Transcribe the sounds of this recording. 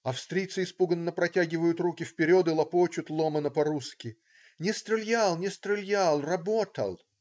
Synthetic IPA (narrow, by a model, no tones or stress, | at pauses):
ɐfst̪ɾʲijt̪sɨɪspuɡənːəpɾɐtʲaɡʲɪvəjʊt̪rukʲɪfpʲɪɾʲod̪ɨlˠɐpot͡ɕʊt̪lˠomənəpɐɾuskʲɪ | nʲɪst̪ɾʲɪlʲjalˠnʲɪst̪ɾʲɪlʲjalˠrɐbot̪ə̰lˠ